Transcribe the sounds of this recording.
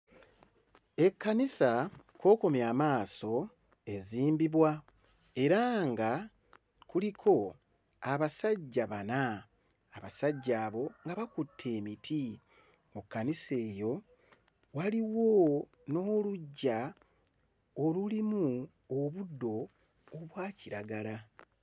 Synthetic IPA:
e̞kːanisakwo̞ːko̞mjaːmaːso̞ | e̞ziːmbiβwa | e̞ɾaŋɡa | kulikʰo̞ | aβasaɟːaβanaː | βasaɟːaːβo̞ŋɡaβakutʰːe̞ːmitʰi | mukːanise̞ːjo̞ | waliwo̞ | no̞ːluɟːa | olulimu | oβudːo̞ː | βwaːciɾaɡala

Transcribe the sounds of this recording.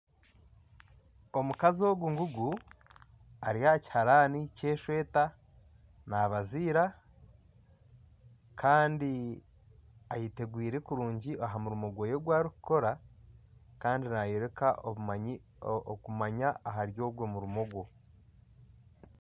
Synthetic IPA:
o̞mukazio̞ɡuŋɡuɡu | aɾiaci̥haɾanice̞ːʃwe̞ːta | naːβaziːɾa | kʰaːndi | ajite̞ɡwiːɾe̞kuɾuːɲɟiʔaɦamuɾumoɡwoje̞ɡwaːɾiku̥ko̞ɾa | kaːndinajeɾeka | okumaɲaːɦaɾjo̞ːβwo̞muɾumoɡwo̞

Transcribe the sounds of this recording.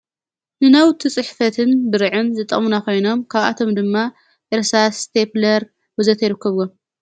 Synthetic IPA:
nɨnawt̪ʰɨt͡sʼɨħfɐt̪ʰɨnbɨɾɨʕɨnzɨt̪ʼːɐ̰munako̞jno̞mkʰaβa̰t̪ʰo̞md̪ɨmːa | ʔeɾsast̪ʰeplɐɾ | wɨzɐt̪ʰjɪɾɨkːɐβɡom

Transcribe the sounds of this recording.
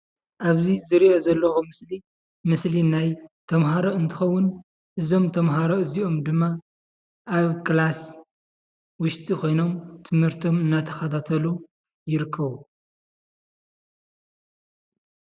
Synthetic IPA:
ʔaβzizɨɾiʔozɐlːɐxumɨsli | mɨslinajt̪ʰɐmɦaɾoɨnt̪ʰɨxɐwːʊn | ʔɨzo̞mt̪ʰɐmɦaɾoɨziʔo̞md̪ɨmːa | ʔaβkʰɨlas | wʊʃt̪ʼikʰo̞jno̞mt̪ʰɨmhɨɾt̪ʰo̞mɨnːat̪ʰɐ̥xɐt̪ʰat̪ʰɐlu | jɪɾɨkʰːɐβu

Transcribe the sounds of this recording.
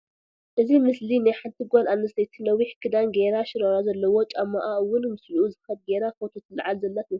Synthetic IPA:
ʔɨzimɨslinajħant̪ʰɨɡolanɐsɐjt̪ʰinɐwiħkʰɨd̪anɡeɾaʃɪɾoɾazɐlːɐwo̞t͡ʃʼamːaʔaɨwʊnmɨslʔuzɨxɐb̪̚ɡeɾakot̪ʰot̪ʰɨlɨ̰ʕalzɐlːat̪ju

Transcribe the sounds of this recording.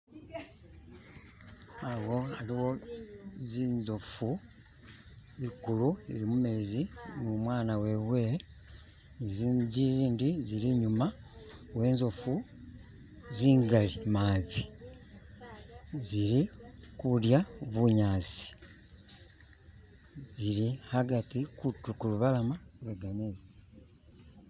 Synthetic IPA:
awo̞aliwo̞ | zinzofu | ikuluḭɾimumeːzinumwaːnawe̞βwe̞ | iziːndiziliɲumawe̞ːnzofu | ziːŋɡalimaβi | ziɾikuɾjaoβuɲaːzi̥ | ziɾihaɡatikutukuluβalamaweɡanezi

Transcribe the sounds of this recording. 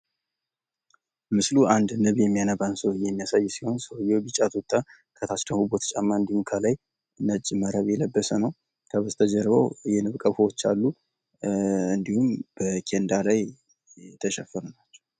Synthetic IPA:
mɨsluʔand̪nɨβjɛmːijanəβansəwjɛmːijasajːsiho̞nsəwjːobit͡ʃʼːat̪ʰut̪ʼːa | kʰət̪ʰast̪ʰəhubot̪ʰə̥t͡ʃʼamːaɨnd̪ihumkʰəlaj | nət͡ʃʼːməɾəβjɛləbːəsənəw | k̪ʰəβəzt̪ʰəd͡ʒɛɾβəwjɛnɨβkʼəfəwot͡ʃːalːu | ɨnd̪ihumb̥əkʰend̪alaj | t̪ʰəʃɛfːəɾunat͡ʃːɛ̥w

